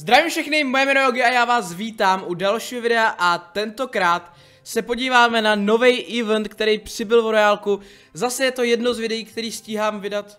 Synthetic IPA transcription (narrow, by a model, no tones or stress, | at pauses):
zd̪ɾaviːmfʃɛxnɪmo̞jɛmɛnooɡɪajaːvaːsviːt̪aːmʔudalʃiːɦovɪdɛaʔat̪ɛnt̪o̞kɾaːt̪ | sɛpo̞ɟiːvaːmɛnano̞vɛjʔɪvɛnt̪kt̪ɛɾijpr̝̥ɪbɪlvɾojaːlku | zasɛjɛt̪o̞jɛdno̞zvɪdɛjiːkt̪ɛɾiːsciːɦaːmvɪdat̪